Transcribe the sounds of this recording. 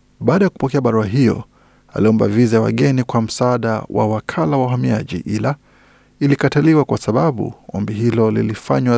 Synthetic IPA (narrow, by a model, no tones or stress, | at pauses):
ɓaːɗajaku̥pɔkɛaɓaɾuaɦijɔ̰ | a̰liɔmba̰vizajawa̰ɠɛnikwam̩saaːɗawʔa̰wakʰalawaɦamiaʄḭʔila | ilikataliwakwasaɓaɓṵɔmbiɦilɔlḭlifa̰ɲwa